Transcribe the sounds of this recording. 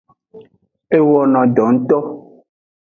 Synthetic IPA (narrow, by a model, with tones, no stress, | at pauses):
e˦wɔ˨nɔ̃˨ɖɔ˨ŋ̩˦t̪ɔ˦